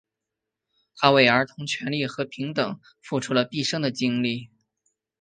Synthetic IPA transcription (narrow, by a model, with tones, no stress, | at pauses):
t̪ʰa˥we˥˩ɪə˞˧˥t̪ʰʊ˧˥ŋt͡ɕʰɥɛ˧˥nli˥˩xɤ˧˥pʰi˧˥ŋt̪ɤ˨˩˦ŋ | fu˥˩ʈ͡ʂʰu˥lə˧pi˥˩ʂɤ˥ŋd̪ə˨t͡ɕi˥ŋli˥˩